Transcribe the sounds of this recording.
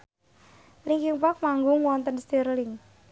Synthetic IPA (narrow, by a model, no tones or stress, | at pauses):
liŋkiŋpap̚maŋɡʊŋwɔnt̪ənst̪irlɪŋ